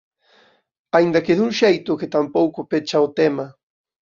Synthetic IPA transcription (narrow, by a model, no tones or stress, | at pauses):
aind̪ɐkeðuŋʃejt̪ʊkɪt̪ampowkʊpet͡ʃaot̪ɛmɐ